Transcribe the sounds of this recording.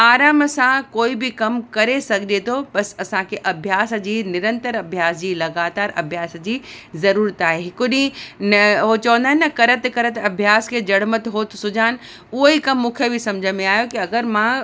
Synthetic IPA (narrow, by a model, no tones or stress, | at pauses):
aːɾaːmsãkoːibikɐmkɐɾesɐɡʱd͡ʑʱet̪ʰobɐsɐsãkʰeʔɐbʱjaːsd͡ʑiːnɪɾə̃nt̪əɾɐbʱjaːsd͡ʑiːlɐɡaːt̪aːɾɐ̰bʱjaːsd͡ʑiːzɐɾuːɾət̪aːɦeɦɪkʊɗĩnɦot͡ɕɐʋə̃nd̪aɦɪnːɐkɐɾət̪kɐɾət̪ɐbʱjaːskʰed͡ʑɐɽmət̪ɦoːt̪sʊd͡ʑʱaːn | ʊɦoikɐmːũːkʰebʱisɐ̃md͡ʑʱəmẽaːjokiɐɡəɾmã